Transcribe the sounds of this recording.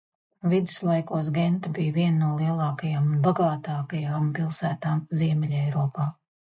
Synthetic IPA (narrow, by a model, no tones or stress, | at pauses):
vid̪ɨ̥slˠajkuɔsɡent̪abijviɛnnuɔlˠiɛlˠɑːkajaːmunbaɡaːt̪aːkajaːmpilˠsæːt̪aːmziɛmʲɛlʲɛjɾɔːpaː